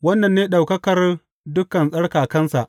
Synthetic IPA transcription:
wɐ˦nːɐ˨nːeː˦ɗa˨wkɐ˦kɐ˨r | dʊ˦kɐ˨nsʼɐ˦ɽkaː˨kɐ˦nsa˨ʔ

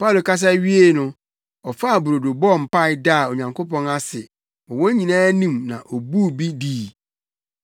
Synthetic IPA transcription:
pʰa˦˨lo˨ka˦s̬a˦ɥi˦e˦nʊ̃˦ | ɔ˨fa˦˨bu˨ɾo˨do˨bɔ˦˨m̩˨pa˦ɪ˦da˦˨o˨ɲã˨ŋkʰo˦pɔ̃˦na˦sɪ˨ | ɔ˨wɔ̃˦ɲĩ˨nãː˦nĩ˦˨mnã̰˨ʔɔ˨bu˦˨bi˦diː˦˨

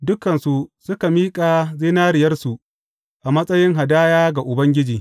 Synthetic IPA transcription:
dʊ˦kɐ˨nsu˨sʊ˦ka˨miː˦kʼaː˨zɪ˦naː˦ɾɪ˨jɐ˦rsu˨ | ʔa˨mɐ˦sʼɐ˦jɪ˦ŋɦa˨daː˦jaː˦ɡa˨ʔʊ˨bɐ˦ŋɡʲɪ˦d͡ʒiː˨

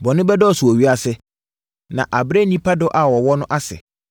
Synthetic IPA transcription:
bɔ˨nʊ̃˦bɛ˦dɔ˦ɔ˨su˨ɔ˨ɥi˦a˨sɛ˦ | nã̰˨ʔa˨bɾɛ˦nĩ˦pʰa˦dɔ˦ʔa˨wɔ˨wɔ˦nʊ̃˦ʔa˦sɛ̰˨

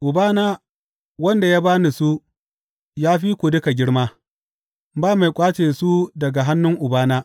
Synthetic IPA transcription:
ʔʊ˨baː˦naː˦ | wɐ˦nda˨jaː˦baː˦ni˨su˦ | jaː˦ɸiː˦kʷu˨dʊ˦ka˨ɡʲɪ˦ɽmaː˦ | baː˦ma˨jkʷʼaː˦t͡ʃeː˨su˦dɐ˨ɡa˨ɦa˦nːʊ˦ŋʔʊ˨baː˦naː˦

